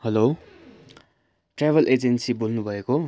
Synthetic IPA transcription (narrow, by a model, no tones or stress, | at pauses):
hʌlo | ʈrabʱʌlʔed͡zensibolnubʱʌeko